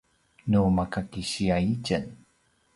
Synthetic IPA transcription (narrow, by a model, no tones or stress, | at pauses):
numakakiɕiaicən